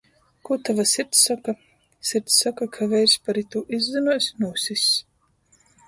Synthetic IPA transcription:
kut̪avasiɾt̪sːaka | sʲiɾt̪sːakakʰavɛjɾsʲpaɾit̪uʔizd̪ɛnuɔsʲnuːsʲis

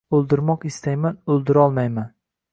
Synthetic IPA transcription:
ɵlˠd̪ɪɾmɒqɪst̪ajmanɵlˠd̪ɪɾɒlˠmajman

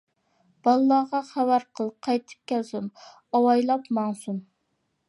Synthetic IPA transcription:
b̥ɑlˠlːˠɑʁɑχæwæɾqʰəlˠqʰɑjt̪ʰɨ̥p̚kʲɛlsum | ɑwɑjlˠɑpmɑŋsum

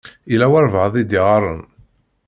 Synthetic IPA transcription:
ilæwɑɾˤvəʕðˤid̪iʁɑɾˤə̰n

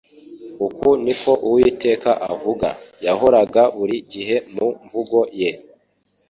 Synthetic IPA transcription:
ukuniko̞ʔuwite̞ːkaʔavuɡa̰jaho̞ɾaɡaβuɾiɟiɦe̞muɱvuɡo̞je

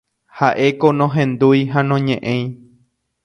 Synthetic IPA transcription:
haʔe̞konõɦẽnd̪ujɦanõɲẽʔẽj̃

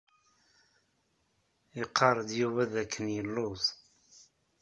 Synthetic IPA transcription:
iqʰːɑɾˤəd̪juvæðækʰːənjəlːʊðˤ

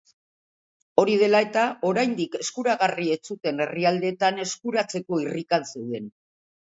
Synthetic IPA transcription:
o̞ɾið̞e̞lae̞t̪ao̞ɾajnd̪ike̞skuɾaɣarie̞t͡sut̪e̞ne̞riald̪e̞ːt̪ane̞skuɾat͡se̞ko̞irikanse̞wðe̞n

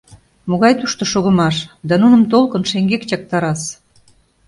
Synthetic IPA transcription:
moɣɑjt̪uʃt̪ŏʃoɣə̆mɑʃd̪ɑnunə̆mt̪olkɤnʃeŋɡekt͡ɕɑk̚t̪ɑɾɑs

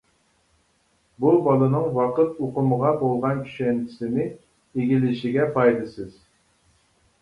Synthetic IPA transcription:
bubɑlˠɨnɨŋwɑqɨt̪oqʊməʁɑbolˠʁɑnkʲʰy̥ʃɛnt̪ʰɪ̥sɪnɪ | eɡʲilɪʃiɡʲɛpʰɑjlɨsɨz̥

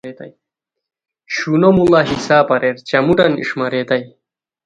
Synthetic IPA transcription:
et̪ɐ̰j | ɕunomulaːɦisaːpɐɾeɾt͡ɕɐmuʈɐnḭʂmɐɾeːt̪ɐj

